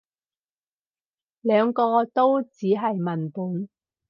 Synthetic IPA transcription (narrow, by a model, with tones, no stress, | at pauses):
lœː˨˧ŋkɔː˧t̪o˥wt͡siː˨˥ɦɐ˨jmɐ˨˩npuː˨˥n